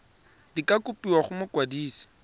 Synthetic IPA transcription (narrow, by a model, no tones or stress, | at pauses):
d̥ikakʼʊpiwaχʊmʊkwadiːsi̥